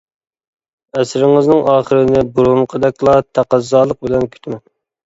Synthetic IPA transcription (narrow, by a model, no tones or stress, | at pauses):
ɛsɾɪŋɨznɨŋʔɑːχəɾɪnɪbuɾumqʰəd̪ɛkʲlˠɑt̪ʰæqæzːɑːlˠəq̚bɪlɛnkʲʰy̥t̪ʰmɛn